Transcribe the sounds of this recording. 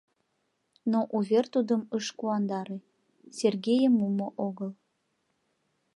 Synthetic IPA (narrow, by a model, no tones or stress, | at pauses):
noʔuβʲert̪ud̪əməʃkuɑnd̪ɑɾe | sʲerɡejəmːumoʔoɣəl